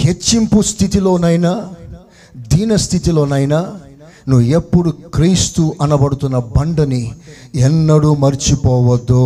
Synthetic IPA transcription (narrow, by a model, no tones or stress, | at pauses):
ket͡ʃːimpust̪ʰit̪ilo̞ːnɐjnaː | d̪iːnɐst̪ʰit̪ilo̞ːnɐjnaː | nuʋepːuɽukɾiːst̪uʔɐnɐbɐɽut̪unːɐbɐɳɖɐniɛnːɐɽuːmɐɾt͡ʃipɔːʋɐd̪ːo